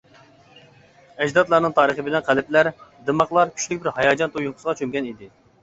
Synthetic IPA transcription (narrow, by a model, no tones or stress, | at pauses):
ɛd͡ʒd̪ɑt̪lˠɑɾnɨŋt̪ʰɑːɾəχəbɪnɛnqʰælɪp̚læɾd̪emɑχlˠɑɾkʲʰy̥t͡ʃlɪkʲbɪɾhɑjɑːd͡ʒɑnt̪ʰujoqʊ̥səʁɑt͡ʃʰømɡʲɛnid̪ɪ